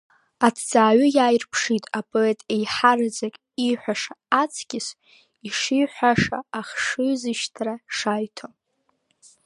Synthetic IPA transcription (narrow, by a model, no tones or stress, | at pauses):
atʰt͡sʼaːɥʏjaːjrpʰʂitʼapʼo̞etʼejħard͡zakʼ | iħʷᶣaʂaːt͡sʰkʲɪs | iʂiħʷᶣaʂa̰ːχʂɨzɨʃtʰraʂajtʰo